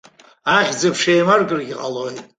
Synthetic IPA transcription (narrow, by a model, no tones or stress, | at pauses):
aχʲd͡zɨpʰʂejmarɡʼɨrɡʲiqʼalojtʼ